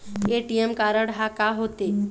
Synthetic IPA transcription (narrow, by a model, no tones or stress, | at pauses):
eʈijemkaːɾəɽɦakaɦoːt̪eː